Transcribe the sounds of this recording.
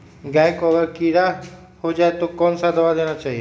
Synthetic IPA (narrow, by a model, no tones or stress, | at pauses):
ɡɛ̃ːɪkɔːʋəɾkiːɾa | hoːd͡ʒaːet̪okɔːnsad̪əʋaːd̪eːñat͡ʃaːɦie